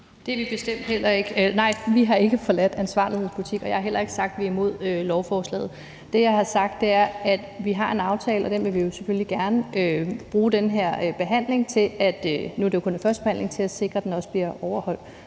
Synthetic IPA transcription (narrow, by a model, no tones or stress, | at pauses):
d̥e̝ɐʋib̥e̝sd̥em̰d̥hel̰ɐe̝ɡ̥ənɑ̈ɪ̰ʋiɦɑ̈e̝ɡ̥əfɒ̽læd̥ænsʋɑ̰̈ːlihe̝ð̰ˠspʰulit͡sʰiɡ̥ɒjɑ̈hɑ̈ɦel̰ɐe̝ɡ̥sɑ̈ɡ̥̚d̥ʋiɐimo̝ð̞̰ˠølɒʊfɒːslɛ̰ːð̩ˠ | d̥e̝jɑ̈ɪhɑ̈sɑ̈ɡ̥̚d̥e̝æɐæd̥ʋiɦɑ̈e̝nɑ̈ʊt͡sʰɛ̰ːləɒd̥enʋe̝lʋijo̝sefølliɡ̥æɐnəʔøb̥ʁuːd̥enɦeɐ̰b̥e̝ɦæn̰le̝ŋt͡sʰe̝læd̥ønuæd̥ejokʰo̽nenfɶɐd̥b̥ehæn̰le̝ŋt͡sʰe̝læse̝ɡ̥ʁɐd̥enɒ̽səb̥liɐʔɒʊɐhɒ̽l̰d̥